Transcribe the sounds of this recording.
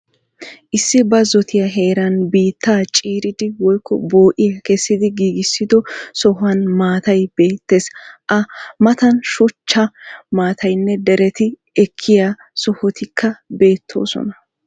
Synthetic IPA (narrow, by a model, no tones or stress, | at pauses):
ʔɪsːɪbɐzɔt̪ɪjɐɦe̞ːɾɐnbiːt̪ːaːt͡ʃʼiːɾɪd̪ɪwɔjkʰːɔ̰bo̞ːʔɪjɐkɛsːɪd̪ɪɡiːɡɪsːɪd̪ɔsɔhɐnmaːt̪ɐjb̥e̞ːt̪ːesʔɐmɐt̪ɐnʃʊt͡ʃːɐmaːt̪ʰɐjnːɛd̪ɛɾɛt̪ɪ | ɛkʰːɪja | sɔhɔt̪ɪkʰːɐbe̞ːt̪ʰːo̞̰ːsɔ̰nɐ